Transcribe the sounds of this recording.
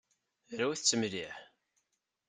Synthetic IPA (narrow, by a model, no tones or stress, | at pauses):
ɾæwiθt͡sːəmɾiħ